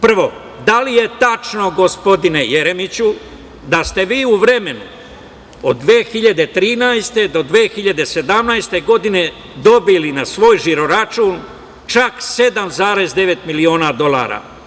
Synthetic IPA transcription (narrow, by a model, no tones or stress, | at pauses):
pr̩ʋo̞ | d̪alije̞t̪at͡ʃno̞ɡo̞spo̞d̪ine̞je̞ɾe̞mit͡ɕu | d̪ast̪e̞ʋiːuʋɾe̞me̞nu | o̰d̪ːʋeːxiʎad̪e̞t̪ɾiːnajst̪e̞d̪o̞d̪ʋeːxiʎad̪e̞se̞d̪amnajst̪eɡo̞d̪ine̞ | d̪o̞bilinasʋo̞ːjʒiɾo̞ɾat͡ʃuːn | t͡ʃakse̞d̪amzaːɾe̞zd̪e̞ʋe̞t̪milio̞ːnad̪o̞lˠa̰ːɾa̰ː